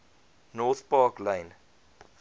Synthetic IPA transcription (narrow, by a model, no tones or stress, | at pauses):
nɔːθpɑːklẽɪn